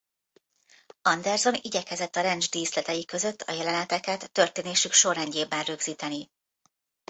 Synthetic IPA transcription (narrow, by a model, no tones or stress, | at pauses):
ɒnd̪ɛrzo̞niɟɛkɛzɛt̪ːɒɾɛnd͡ʒd̪iːslɛt̪ɛjikø̞zø̞t̪ːʰɒ̰jɛlɛnɛt̪ɛkɛt̪ːø̞rt̪eːneːʃykʃo̞rɛɲɟeːbːɛnrøɡziːt̪ɛni